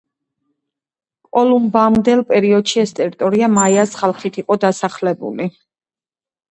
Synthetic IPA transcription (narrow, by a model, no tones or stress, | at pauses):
kʼɔlˠumbamd̪ɛlˠpʼɛɾiɔd̪̥ʃiɛst̪ʼɛɾit̪ʼɔɾiamaiasχalˠχit̪ʰiqʼɔd̪asaχlɛbṵli